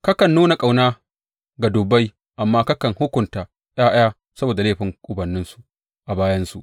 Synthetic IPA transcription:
kɐ˦kɐ˨nːuː˦na˨kʼa˨wnaː˦ | ɡa˨dʊː˨ba˦j | ʔa˨mːaː˦ka˦kɐ˨ŋhʊ˦kʷʊ˨ntaː˨ | j̰aː˦ʔaː˦ | sɐ˦boː˨da˨leː˦˨ɸɪ˨˦ŋkʷʼʊ˨bɐ˨nːɪ˦nsu˨ | ʔa˨baː˦jɐ˦nsu˨ʔ

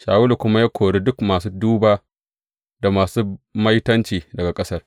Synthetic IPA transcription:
ʃa̰ː˨wʊ˦lu˨kʷʊ˦ma˦ja˦kʷʰoː˨ɽe˦dʊ˦kmaː˨suː˦duː˦baː˦ | da˨maː˨suː˦mɐ˦jtɐ˦nt͡ʃiː˨dɐ˨ɡa˨kʼɐ˦sɐ˦r

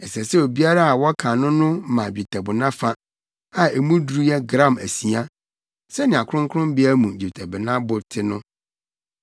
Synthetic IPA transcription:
ɛ˨sɛ˨sɛ˦o˨bi˦a˦ɾa˦a˨wɔ˦kʰã˨nʊ̃˦nʊ̃˦mã˨bᶣi˨tʰæ˨bʊ˨nã˦fa˦ | a˨e˨mũ˦dɾu˦jɛ˦ɡɾã˦˨mæ̰˨si˨a˦ | sɛ˦nɪ̃˨a˨kʰʊ̃˦ŋ˦kʰʊ˦ʊ̃˦mbɪ˦a˦mũ˨d͡ʑi˨tʰɛ˨bɪ˨nã˦bʊ˨ɾtʰɪ˦nʊ̃˦

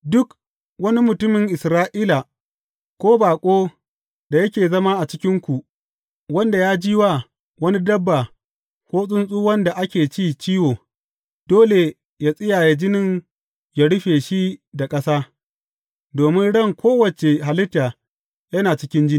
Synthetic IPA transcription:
dʊ˦k | wɐ˦ni˦mʊ˨tʊ˦mɪ˨ŋʔɪ˨sɾaː˦ʔiː˦la˨ | kʷoː˦baː˨kʷʼoː˦ | d̥a˨jɐ˦kʲeː˨zɐ˦ma˦ʔa˨t͡ʃɪ˦kʲɪ˦ŋkʷu˨ | wɐ˦nda˨jaː˦d͡ʒiː˦waː˦˨ | wɐ˦ni˦dɐ˦bːa˨ | hoː˦sʼʊ˦nsʼuː˦wɐ˦nda˨ʔa˦kʲeː˨t͡ʃiː˦˨t͡ʃiː˦woː˨ | d̥oː˦le˨ | ja˦sʼɪ˦jaː˨ja˨d͡ʒɪ˦nɪ˦ŋ | ja˨ɽʊ˦ɸeː˨ʃi˦da˨kʼɐ˦saː˦ | doː˨mɪ˦nɽɐ˦˨ŋkʰʷoː˦wɐ˨t͡ʃe˨ɦa˨lɪ˦tːa˨ | jɐ˦naː˨t͡ʃɪ˦kʲɪ˦nd͡ʒɪ˦ni˨

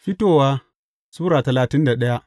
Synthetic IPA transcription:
ɸi˦toː˨waː˦ | suː˦ɾaː˨tɐ˨laː˨tɪ˦nda˨ɗɐ˦ja˦

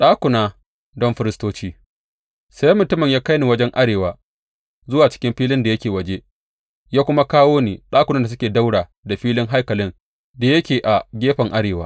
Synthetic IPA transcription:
ɗaː˦kʷʊ˨naː˦ | dɔ˦mɸɪ˦ɾɪ˦stoː˦t͡ʃiː˦ | sa˦jmʊ˨tʊ˦mɪ˨ɲjaː˦ka˦jni˨wɐ˦d͡ʒɛ˦ŋʔa˦ɽeː˨waː˨ | zʊ˦waː˨t͡ʃɪ̥˦kʲɪ˦mɸiː˦lɪ˦nda˨jɐ˦kʲeː˨wɐ˨d͡ʒe˦ | jaː˦kʷʊ˦ma˦kaː˦woː˦niː˨ɗaː˦kʷʊ˨na˦da˨s̬ʊ˦kʲeː˨da˦wɽaː˨ | da˨ɸiː˦lɪ˦ŋɦa˦jkɐ˨lɪ˦n | da˨jɐ˦kʲeː˨ʔa˨ɡʲeː˦ɸɐ˨ŋʔa˦ɽeː˨waː˦

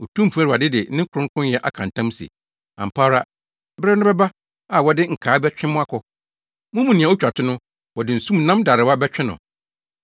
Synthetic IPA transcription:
o˨tʰũ˦m˨pʰu˨˦a˦ɾɪ˨a˨dɪ˦dɪ˨nɪ̃˦ŋ˦kʰʊ˨ɾʊ̃˦ŋ˦kʰʊ̃˦njɛ˦ʔa̰˦kʰã̰˨n˨tʰã˦m˦sḭ˨ | ã̰˨m̩˨pʰaː˦ɾa˦ | bɾɪ˦nʊ̃˦bɛ˦ba˦ | a˨wɔ˨dɪ˦ŋ̩˨kʰaː˨˦bɛ˦t͡ɕᶣɪ̃˦mʊ̃˦a˦kʰʊ˨ | mʊ̃˦mũ˨nĩ˨ã˨o˦t͡ɕᶣa˨tʰʊ˦nʊ̃˦ | wɔ˨dɪ˨n̩˨sũ˦m˨nã˦mda˨ɾɪ˨wa˦bɛ˦t͡ɕᶣɪ̃˦nʊ̰̃˨

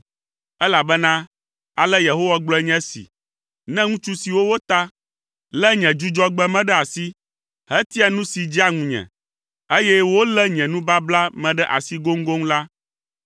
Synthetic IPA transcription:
ɛ˦la˨bɛ˦nã˦ | a˨lɛ˦je˨ɦo˦wa˦ɡ͡blɔ˦ɛ˨˦ɲɛ̃˦sḭ˨ | nɛ̃˦ŋũ˦t͡ʃu˦si˨wo˦wo˦t̪a˦ | lɛ˦ɲɛ̃˨d͡ʒu˦d͡ʒɔ˦ɡ͡bɛ˦mɛ̃˦ɖɛ˦a˨si˦ | ɦɛ˦t̪i˦a˨nũ˦si˨d͡ʑi˦a˦ŋũ˨ɲɛ̰̃˨ | e˦jɛ˦wo˦lɛ˦ɲɛ̃˨nũ˦ba˦bla˦mɛ̃˨ɖɛ˦ʔa̰˨si˦ɡo˦ŋ̩˦ɡo˦ŋ˦la˦

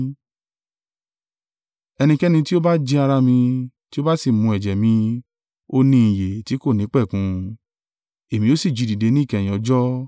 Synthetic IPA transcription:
ɛ˧nĩ˧kɛ˦nĩ˧ti˦o˦ba˦d͡ʒe˧a˧ɾa˧mĩ˧ti˦o˦ba˦si˦˨mũ˧ɛ˨d͡ʒɛ˨mĩ˧ | o˦nĩ˧ĩ˨je˨ti˨˦ko˦˨nĩ˨˦k͡pɛ˦˨kũ˨˧ | e˨mĩ˧o˦si˦˨d͡ʒi˨˧˨di˨de˨˧˦nĩ˦˨kɛ˨jĩ˨ɔ˧˦d͡ʒɔ˦

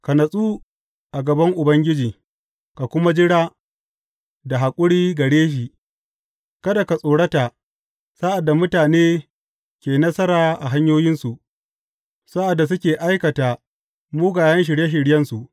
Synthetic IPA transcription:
ka˨nɐ˨sʼuː˦ | ʔa˨ɡɐ˨bɐ˦ŋʔʊ˨bɐ˦ŋɡʲɪ˦d͡ʒiː˨ | ka˨kʷʊ˦ma˦d͡ʒɪ˦ɽaː˦ | da˨ɦa˨kʷʼʊ˦ɽiː˦ɡɐ˨ɽeː˦ʃ̬i˨ | kɐ˦da˨ka˨sʼoː˨ɽɐ˦taː˨ | sa˦ʔa˨dːa˨mʊ˦taː˨neː˦ | kʲeː˨nɐ˦sɐ˦ɾaː˨ʔa̰˨ɦa˦ɲjoː˦jɪ˦nsu˨ʔ | sa˦ʔa˨dːa˨s̬ʊ˦kʲeː˨ʔa˦jkɐ˨taː˨ | muː˦ɡaː˨jɐ˦nʃ̬ɪ˨ɽje˦ʃ̬ɪ˨ɽjɐ˦nsu˨ʔ

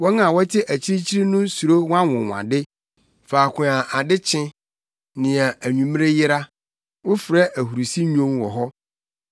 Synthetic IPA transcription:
wɔ˦ŋã˨wɔ˦tʰɪ˦ʔæ˨t͡ɕʰi˦ɾi˦t͡ɕʰi˦ɾi˦nʊ̃˦su˨ɾo˦wã˦ŋʊ̰̃˨wa̰˨dɪ˦ | faː˨kʰʷʊ̃˨ã˨ʔa˨dɪ˦t͡ɕʰɪ̃˦ | nɪ̃˨ã˨æ˨ɲũ˨m˦ɾe˦jɪ˦ɾa˦ | wʊ˦fɾɛ˦ʔæ˨hu˨ɾu˨si˦ɲõ˦mwɔ˨ɦɔ˦

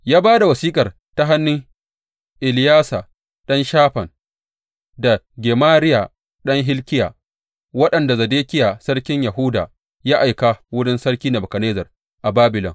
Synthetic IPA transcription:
jaː˦baː˦da˨wɐ˨siː˦kʼɐ˨r | ta˦ɦa˦nːɪ˦ŋ | ʔɪ˨lɪ˦jaː˦sa˨ | ɗɐ˦nʃaː˦ɸɐ˨n | da˨ | ɡʲeː˨maː˦ɾɪ˦ja˨ | ɗɐ˦ŋɦɪ˦lkʲɪ˦ja̰ː˨ | wɐ˦ɗɐ˨nda˨zɐ˨deː˦kʲɪ˦ja˨sɐ˦ɽkʲɪ˦ɲja˨ɦʊ˦da̰ː˨ | jaː˦ʔa˨jka˨wʊ˦ɽɪ˦nsɐ˦ɽkʲiː˦nɐ˨bɐ˨kɐ˨neː˦zɐ˨r | ʔa˨baː˦bɪ˨lɔ̰˨ŋ

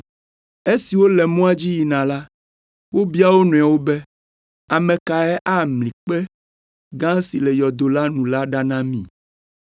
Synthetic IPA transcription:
e˦si˨wo˦lɛ˨mõ˦a˦d͡ʑi˦ji˨nã˨la˦ | wo˦bi˦a˦wo˦nɔ̃˨a˨wo˦bɛ˦ | a˨mɛ̃˨ka˨ɛ˦ʔa˦mlĩ˨k͡pɛ˦ | ɡã˦si˨lɛ˨jɔ˨d̪o˨la˦nũ˨la˦ɖa˦nã˦mḭ̃˨

